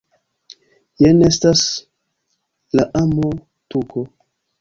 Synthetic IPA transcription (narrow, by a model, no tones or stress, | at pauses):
jenestas | laʔamo | tuko